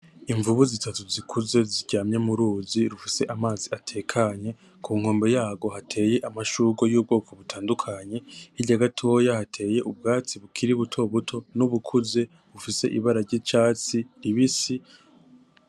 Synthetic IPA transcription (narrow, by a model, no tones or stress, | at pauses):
iɱvuβuzitatuzikʰuze̞ziɾɟaːmɲe̞muɾuːziɾufise̞ʔamaːziatʰe̞ːkʰaɲe̞ | kʰuːŋho̞ːmbe̞jaːɡo̞hatʰe̞je̞ʔamaʃuːɡojuːb̚ɡo̞ːko̞βutʰaːndukʰaɲe̞hiɾɟaɡatʰo̞ːjahatʰe̞ːje̞ʔub̚ɡaːt͡siβukʰiɾiβutʰo̞βutʰo̞nuβukʰuze̞ | βufise̞̰ʔḭβaɾaɾɟit͡ʃaːt͡siɾiβisi